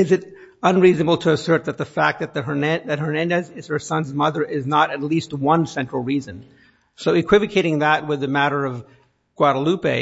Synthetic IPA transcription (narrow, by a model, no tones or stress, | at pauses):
ɨzɨɾ | ə̃nɹiznəbl̩ˠtʰɨːsɜ˞t̪̚ðɨt̪̚ðɨfæk̚ðɨt̪̚ðɨə˞nɛðɨt̚ɦə˞nɛ̃ndɛzɪz̥hə˞sʌ̃nzmʌðə˞ʔɪznəɾɨtˡlist̚wʌ̃nsɛ̃nt͡ʃɹ̥l̩ˠɹizɨ̃n | soʊɨkʰw̥ɪvɨkʰeɪɾɪ̃ŋðət̚wɨðɨmæɾə˞ʌv | ɡ̥wɑɾəlʉpeɪ